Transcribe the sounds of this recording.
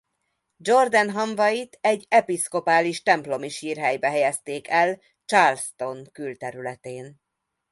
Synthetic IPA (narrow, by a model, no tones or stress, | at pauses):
d͡ʒo̞rd̪ɛnɦɒɱvɒjit̪ɛɟːɛpisko̞paːliʃt̪ɛmplo̞miʃiːrɦɛjbɛɦɛjɛst̪eːkɛl | t͡ʃaːlst̪o̞ŋkylt̪ɛɾylɛt̪eːn